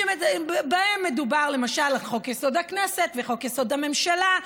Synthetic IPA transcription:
emebaemːe̞d̪ubaʁle̞maʃalχo̞kjeso̞d̪akneset̪veχo̞kjeso̞d̪ame̞mʃala

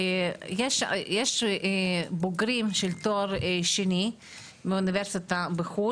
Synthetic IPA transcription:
jeʃjeʃ | boɡɾimʃelt̪oɾeʃeni | meuniveɾsit̪abexu

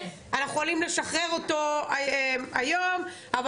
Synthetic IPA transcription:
anaχuolimle̞ʃaχʁe̞ʁoto̞amajo̞m | av

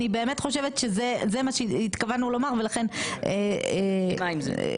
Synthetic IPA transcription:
ibe̞ːme̞tχo̞ʃeve̞t̪ʃezezemaʃeit̪kavanulo̞maʁve̞laχe̞ne | aim̰

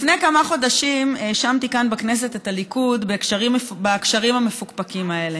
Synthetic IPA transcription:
lifne̞jkamaχo̞daʃimʃamt̪ikanbakne̞s̬e̞tetalikudbekʃaʁimefbakʃaʁimhamefukpakimae̞le

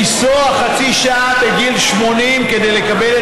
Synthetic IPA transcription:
isoaχat͡siʃaateɡilʃmo̞nimke̞d̪e̞jle̞kabel

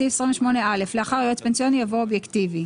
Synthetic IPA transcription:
iesʁiɱveʃmo̞neale̞fleaχaʁojot̪pensijonijavoobjektivi

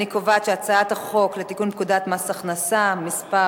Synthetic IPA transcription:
ikovat̪ʃeat͡saat̪aχo̞klet̪ikunpkud̪at̪masaχnasamispa

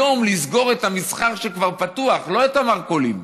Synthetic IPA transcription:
o̞mlisɡo̞ʁet̪hamisχaχʃekvaʁpat̪uaχlo̞et̪amaʁkolim

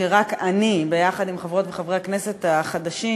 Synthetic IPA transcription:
eʁakanibe̞jaχadimχavʁo̞tveχavʁeakne̞se̞taχad̪aʃi

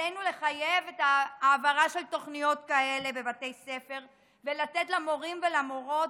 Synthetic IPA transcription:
ejnule̞χajevetaːvaʁaʃe̞lto̞χnijo̞tkae̞le̞be̞bate̞jse̞fe̞ʁ | velatetlamo̞ʁimvelamo̞ʁo̞t

